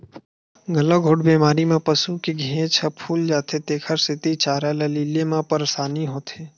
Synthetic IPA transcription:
ɡələɡʱoːʈbeːmaːɾimẽpəsukeɡʱẽːt͡ʃʰəpʰuːld͡ʒaːt̪ʰet̪eːkʰəɾsɪt̪it͡ʃaːɾaleliːlemãpəɾsaːniɦoːt̪ʰeː

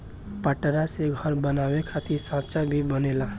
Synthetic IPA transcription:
paʈɾaseɡʱʌɾbənawekʰat̪iɾsãt͡ʃabʱibənela

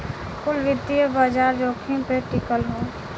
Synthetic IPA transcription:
kʊlʋɪd̪ijəbəd͡ʒaːɾd͡ʒoːkʰĩpeʈɪkəlɦõː

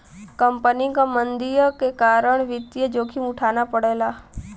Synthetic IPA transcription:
kəmpənikamənd̪ijkekaːɾəɳ̃ʋɪt̪ːjəd͡ʒoːkʰimʊʈʰaːnapəɽeːla

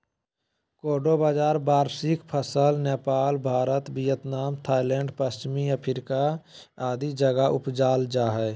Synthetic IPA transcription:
koːɾɖobaːd͡ʒaːɾbaːɾsɪkpʰəsəlneːpaːlbʱaːɾət̪bijət̪naːmt̪ʰaːɪlẽɳɖpəst͡ʃmijapʰɪɾkaaːd̪id͡ʒəɡaʔʊpd͡ʒaːld͡ʒaːɦɛː

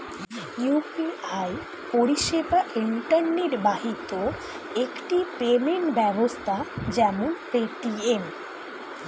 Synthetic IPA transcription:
jupiaj | poɾiʃebaʔiɳʈaɾniɾbaɦit̪o | ekʈipemeɳʈbɛbost̪ʰad͡ʑɛmonpeʈiem

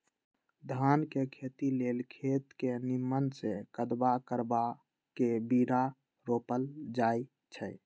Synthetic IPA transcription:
d̪ʱankekʰet̪ilelkʰet̪kenimːənsekəd̪bakəɾba | kebiɾa | ɾoːpəld͡ʒai | t͡ʃʰə

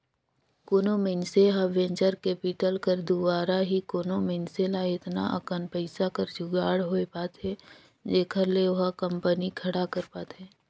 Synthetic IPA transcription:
koːnomenseɦaʋẽɲt͡ʃəɾkeːpɪʈəlkəɾd̪ubaːɾaɦikoːnomɪnselaɪt̪na̰ʔə̰kənpəɪsakəɾd͡ʒʱʊɡaːɽɦoepaːt̪ɦɛ | d͡ʒeːkʰəɾleʊɦakə̃mpənikʰɐɽakɐɾpaːt̪ɦɛː

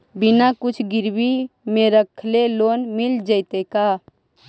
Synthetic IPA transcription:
binakʊt͡ʃʰɡɪɾbimẽɾəkʰleloːnmɪld͡ʒəɪt̪eka

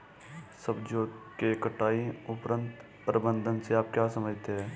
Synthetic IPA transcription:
səbd͡ʒoːd̪kekəʈaːiʊpɾə̃nt̪ | pɾəbə̃nd̪ʱənseaːp̚kjaːsəməd͡ʒt̪eɦɛː

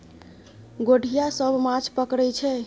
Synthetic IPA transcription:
ɡoɽʱijasəbʱmãt͡ʃʰpəkɾɛt͡ʃʰɛ

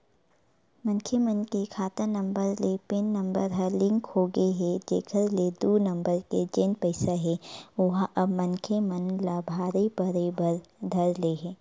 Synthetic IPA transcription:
mɐ̃ŋkʰemənkekʰaːt̪ənɐ̃mbəɾlepenːɐ̃mbəɾɦəlɪ̃ŋkhoːɡəeɦɛd͡ʒḛːkʰəɾled̪unɐ̃mbəɾked͡ʒeːnpɐɪsaɦɛ̃ʊɦɐbmɐ̃nkʰemɐnlabʱaːɾebɐɾeːbəɾd̪ʱɐɾleɦɛ̃ː

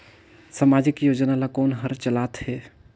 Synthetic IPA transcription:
samad͡ʒɪkjoːd͡ʒnalakoːnɦəɾt͡ʃəlat̪he

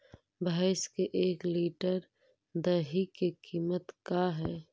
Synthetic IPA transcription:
baɪskeʔeːkliːʈəɾ | d̪əɦikekʰiːmət̪kaɦɛː

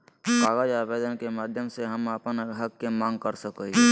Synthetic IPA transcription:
kaːɡəd͡ʒaːbeːd̪ənkemaːd̪ʱjəmseɦəməpənɦəkːemãːŋɡkəɾsəkəi

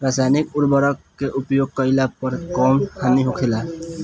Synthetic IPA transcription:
ɾasajnikuɾbəɾəkkːeʔupjoɡ̚kəɪlapəɾkɔmtʰaniɦokʰela

